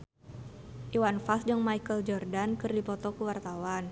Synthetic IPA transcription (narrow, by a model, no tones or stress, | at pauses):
ʔiwanfasd͡ʒəŋmaikəld͡ʒɔrdankɨrdipɔt̪ɔkuwart̪awan